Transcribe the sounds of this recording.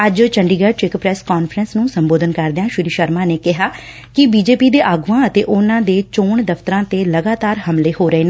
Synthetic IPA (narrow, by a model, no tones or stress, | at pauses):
əd͡ʒt͡ʃəɳɖiːɡət͡ʃɪkpɾɛːskaːnpʰɾənsnũːsəmboːd̪ənkəɾd̪eãːʃʊɾiːʃəɾmãːneːkɪɦaː | kɪbiːd͡ʒeːpiːd̪eːʔaːɡuːãːət̪eːʔʊnãːd̪eːt͡ʃoːɳd̪əpʰt̪əɾãːt̪eːləɡaːt̪aːɾhəmleːhoːɾəeːneː